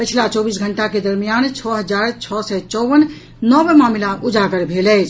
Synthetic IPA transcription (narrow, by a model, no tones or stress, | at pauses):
pət͡ʃʰlat͡ʃɔbisɡʱəɳʈaked̪əɾmijant͡ʃʰɔɦəd͡ʒaɾt͡ʃʰɔsɛt͡ʃɔʋən | nɔbmamlaʔud͡ʒaɡəɾbʱelɛt͡ʃʰ